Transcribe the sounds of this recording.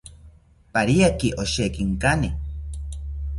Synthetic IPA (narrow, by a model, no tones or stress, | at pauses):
paɾiakiʔoʃekiŋkani